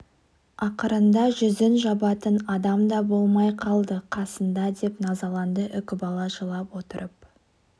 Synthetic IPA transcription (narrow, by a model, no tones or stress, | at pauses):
ɑqəɾənd̪ɑʒʏzɪnʒɑbɑt̪ənɑd̪ɑmd̪ɑbo̞lˠmɑjqʰɑlˠd̪əqʰɑsənd̪ɑd̪e̞pnɑzɑlˠɑnd̪əʔʏkʲɪbɑlˠɑʒəlˠɑpwo̞t̪əɾʔəp̚